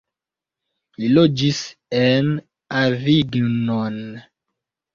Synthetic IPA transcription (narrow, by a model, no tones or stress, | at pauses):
lilod͡ʒisen | aviɡnon